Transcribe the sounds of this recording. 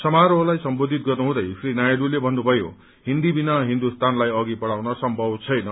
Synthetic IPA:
sʌmaɾolajsʌmbod̪ʱit̪̚ɡʌrnuɦũd̪ʌjfrinajdulebʱʌnːubʱʌjo̰ | ɦind̪ibinʌɦind̪ust̪anlajʌɡipʌɽawnʌsʌmbʱʌbt͡sʰʌjnʌ

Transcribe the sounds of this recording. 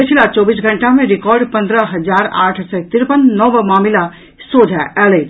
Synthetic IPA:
pət͡ʃʰilat͡ʃɔːbisɡʱəɳʈamẽɾɪkɔɾɖpə̃nd̪ɾəɦəd͡ʒaːɾa̰ːʈʰsɔt̪ɪɾpənːɔʋmaːmila | sod͡ʒʱaʔɛle

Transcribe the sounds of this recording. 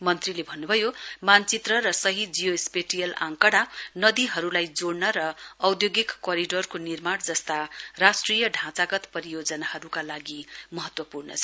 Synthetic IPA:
mʌnt̪rilebʱʌnːubʱʌjomant͡sit̪rʌɾʌsʌɦid͡zijospeʈijʌlã̰ŋkʌɽanʌd̪iɦʌɾulajd͡zoɽnʌɾʌːwd̪joɡikːʌɾiɖorkonirmaɽd͡zʌst̪arasʈrijʌɖʱãt͡saɡʌt̪pʌɾijod͡zʌnahʌɾukalaɡimʌɦʌt̪wʌpurnʌ̰t͡sʰʌ

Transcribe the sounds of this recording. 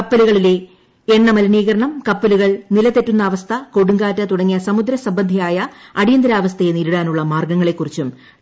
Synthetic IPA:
kɐpːɐluɣɐɭile̞ | eɳːɐmɐlɐniːɣɐɾɐɳɐmkɐpːɐluɣɐɭnilɐt̪etːunːɐːʋɐst̪ʰɐkoɽuŋɡaːtːɐt̪uɽɐŋːijɐsɐmud̪ɾɐsɐmbɐnd̪ʱijaːjɐɐɽijɐnd̪ɐɾaːʋɐst̪ʰɐjeniɾuɽaːnuɭːɐmaːrɡɐŋːɐɭe̞kːurit͡ɕːum

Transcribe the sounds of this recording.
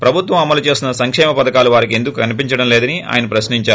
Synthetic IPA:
pɾɐbʱut̪ʋɐmɐmɐlut͡ʃe̞ːsinɐsɐŋkʂɛːmɐpɐd̪ɐkaːluʋaːɾike̞nd̪ukukɐnipiɲt͡ʃɐɽɐmlɛːd̪ɐniʔa̰ːjɐnɐpɾɐsniɲt͡ʃaːɾ

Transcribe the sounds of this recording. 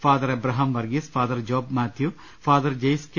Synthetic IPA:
faːd̪ɐɾɐbɾɐɦɐmʋɐɾɡisfʰaːd̪ɐɾd͡ʒoːbmaːt̪ʰju | faːd̪ɐɾd͡ʒɐjsk

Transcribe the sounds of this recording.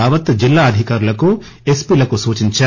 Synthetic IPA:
aːʋɐt̪d͡ʒilːaːɐd̪ʱikaːɾulɐku | espiːlɐkusuːt͡ʃiɲt͡ʃɐ

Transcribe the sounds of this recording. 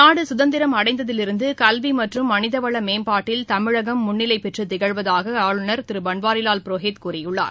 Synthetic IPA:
naːɽɯsʊðɐnd̪ɪɾɐmɐɽɐɪnd̪ɐðɪlɪɾɯnd̪ɯkɐlʋimɐʈrɯmːɐnɪðɐʋɐɭɐmeːmpaːʈːɪlt̪ɐmɪɻɐɣɐmːʊɳːɪlɐɪpɛʈrɯt̪ɪɣɐɭʋɐðaːɣɐaːɻɯnɐɾt̪ɪɾɯbɐɳʋaːɾɪlaːlpɪɾoːɦeːt̪kuːɾɐjɯɭːa̰ːɾ

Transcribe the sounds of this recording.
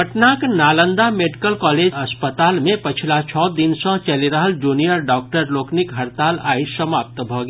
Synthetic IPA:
pəʈnaknaːlə̃nd̪ameɖikəlkɔːleːd͡ʒɐspət̪aːlmẽpət͡ʃʰilat͡ʃʰɔːd̪insə̃t͡ʃɐliɾəɦəld͡ʒuːnijəɾɖɔːk̚ʈəɾloːknɪkɦəɾt̪aːlaːisəmaːp̚t̪bʱɔɡ

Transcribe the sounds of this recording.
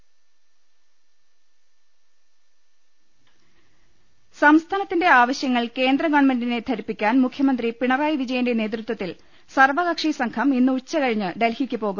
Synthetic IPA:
sɐmst̪ʰaːnɐt̪ːinde̞aːʋɐɕjɐŋːɐɭke̞ːnd̪rɐɡɐɳmendine̞t̪ʰɐɾipːikʲːaːnmukʰjɐmɐnd̪ripiɳɐraːjʋid͡ʑɐjɐnde̞ne̞ːt̪̬rɨt̪wɐt̪ːil | sɐrʋɐɣɐkʂisɐŋkʰɐminːɨut͡ɕːɐkɐɻiɲːɨɖelhikʲːɨpo̞ːɣum

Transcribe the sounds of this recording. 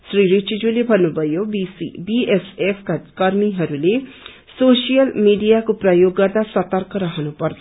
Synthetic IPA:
sɾiɾit͡ʃid͡ʒulebʱʌnːubʱʌjobiibiesepʰkakʌɾmiɦʌɾule | sosijʌlmiɖijakoprʌjoɡːʌrd̪asʌt̪ʌrkʌɾʌɦʌnupʌrt̪ʰ

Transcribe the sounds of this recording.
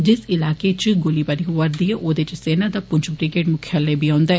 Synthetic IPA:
d͡ʒɪsɪlaːkeːt͡ʃɡoliːbaɾiːʋəɾd̪ieʔoːd̪et͡ʃseːnaːd̪aːpʊɲt͡ʃʰbɾɪɡeːʈmʊkʰjaleːbiːãːʊnd̪aɛː

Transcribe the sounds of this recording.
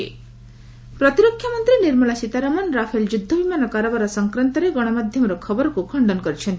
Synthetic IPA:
pɾɔt̪iɾokʰjamɔnt̪ɾiniɾmɔɭasit̪aɾamɔnɾapʰeld͡ʒud̪ʱːɔbimanɔkaɾɔbaɾɔsɔŋkɾant̪ɔɾeɡɔɽ̃ɔmad̪ʱjɔmɔɾɔkʰɔbɔɾɔkukʰɔɳɖɔnɔkɔɾit͡ʃʰɔnt̪i

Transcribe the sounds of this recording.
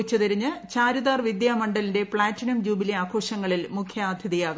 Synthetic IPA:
t͡ɕːɐðiɾiɲːɨt͡ɕaːɾuðaːrʋid̪jaːmɐɳɖɐlinde̞pɭaːtːinɐmd͡ʑuːbileaːkʰo̞ːʂɐŋːɐɭilmukʰjɐaːd̪ʱjɐðijaːɣu

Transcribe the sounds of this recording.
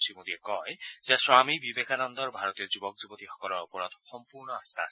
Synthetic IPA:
simod̪iɛkɔjzɛswamibibekʰanɔnd̪ɔɹbʱaɹɔt̪ijɔzubɔk̚zubɔt̪ixɔ̥kɔlɔɹupɔɹɔt̪xɔmpuɹnɔast̪a̰s

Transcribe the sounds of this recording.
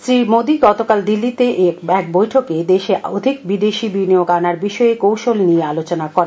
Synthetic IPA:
sɾimod̪iɡɔt̪okald̪ilːit̪eʔeɛkbojʈʰoked̪eʃeod̪ʱik̚bid̪eʃibinioɡanaɾbiʃɔekowʃolnijealot͡ɕonakɔɾen

